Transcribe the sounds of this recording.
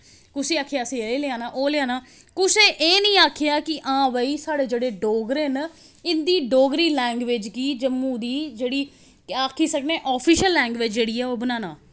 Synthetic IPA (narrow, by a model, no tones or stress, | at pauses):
kʊseːaːkʰjaːəsĩːeeːleãːnãːʔoːleaːnaː | kʊseːʔeːnəĩːaːkʰejaːkɪʔãːʋəiːsaːɽeːd͡ʒeːɽeːɖoːɡɾeːn | ɪnd̪iːɖoːɡɾiːlɛ̃ːŋɡʋɪd͡ʒɡiːd͡ʒəmːũːd̪iːd͡ʒeːɽiː | aːkʰiːsəkneːʔɔːpʰiːʃəlːɛ̃ːŋɡʋed͡ʒd͡ʒeːɽiːɛːoːbənãːnaː